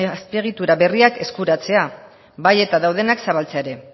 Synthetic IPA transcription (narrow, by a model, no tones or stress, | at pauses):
speɣ̞it̪uɾaβe̞riake̞skuɾat͡se̞a | βaje̞t̪aðawð̞e̞naksaβalt͡se̞aeɾe̞